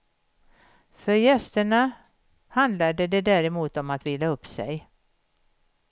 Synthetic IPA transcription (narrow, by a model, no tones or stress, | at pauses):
fœɾjɛst̪əɳa | hand̪lad̪əd̪ɛd̪æːɾɛmuːt̪ɔmat̪viːlaɵpːsɛ̰j